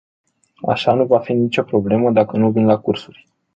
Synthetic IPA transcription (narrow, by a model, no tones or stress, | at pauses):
a̰ʃanuvafinit͡ʃo̞pɾo̞ble̞məd̪akənuvinlakursurʲ